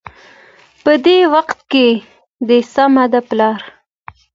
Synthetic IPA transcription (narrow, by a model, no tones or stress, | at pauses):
pəd̪ewaqt̪̚ke | d̪əsamad̪aplɑɾ